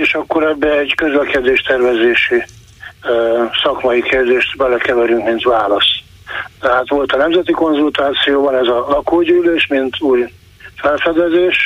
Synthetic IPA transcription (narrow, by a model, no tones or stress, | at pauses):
eːʃɒkːo̞ɾɛbːɛːɟkøzlɛkɛd̪eːʃt̪ɛrvɛzeːʃi | sɒkmɒikeːrd̪eːʃt̪bɛlɛkɛvɛɾyŋkmint̪vaːlɒs | t̪ɛɦaːt̪ʋo̞lt̪ɒnɛmzɛt̪iko̞nzult̪aːt̪sijoːbɒnɛzɒlɒkoːɟyːleːʃmint̪ʰuːj | fɛlfɛd̪ɛzeːʃ